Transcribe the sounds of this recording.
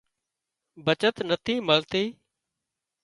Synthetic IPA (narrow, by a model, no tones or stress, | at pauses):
bət͡ʃət̪nət̪ʰĩːməlt̪iː